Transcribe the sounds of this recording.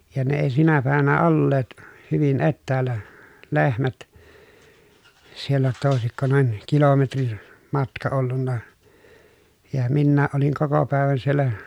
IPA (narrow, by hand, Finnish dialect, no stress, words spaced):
jɑ ne eˑi sinæ pæˑeʋænæ olːeːt hyʋin etːæːlːæ lehmæt sielːæ jotːɑ oˑesikːo noin kilometrin mɑtkɑ olːunːɑ jɑ minːæːʔ ʔoliŋ koko pæˑeʋæn sielːæ